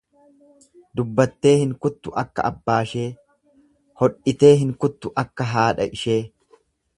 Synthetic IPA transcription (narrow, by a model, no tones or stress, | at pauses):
d̪ʊbːɐt̪ːe̞ːhɪŋkʊt̪ːʊʔɐkːɐ̰ɐbːaːʃe̞ː | hɔᶑʔɪt̪e̞ːɦɪŋkʊt̪ːʊʔɐkːɐɦaːᶑɐʔɪʃe̞ː